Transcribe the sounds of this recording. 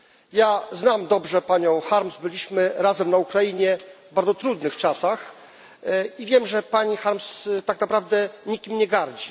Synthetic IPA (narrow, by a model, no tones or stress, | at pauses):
jaznamd̪ɔbʐɛpaɲɔ̃w̃xaɾmzbɘlʲiɕmɘɾazɛmnaukɾajiɲɛvbaɾd̪ɔt̪ɾud̪nɘxt͡ʂasax | ivʲjɛmʐɛpaɲixaɾmst̪aknapɾavd̪ɛɲikʲimɲɛɡaɾd͡ʑi